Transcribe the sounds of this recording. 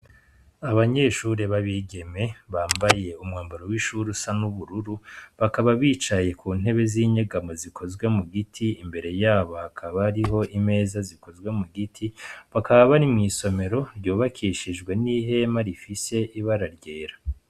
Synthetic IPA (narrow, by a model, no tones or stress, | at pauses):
aβaɲe̞ːʃuɾeβaβiɡe̞me̞βaːmbaje̞umŋaːmbaɾowiʃuːɾusanuβuɾuɾuβakaβaβiːt͡ʃaje̞kuːn̥e̞βe̞ziːɲeɡamozikʰo̞zɡwe̞muɡitʰiimbe̞ɾe̞jaːβohakʰaβaɾiɦo̞ʔime̞ːzaziko̞zɡwe̞muɡitʰiβakaβaβanimɲiːso̞me̞ɾo̞ɾjoːβakʰiːʃiʒɡwe̞niɦe̞maɾifise̞ʔiβaɾaɾɟe̞ːɾa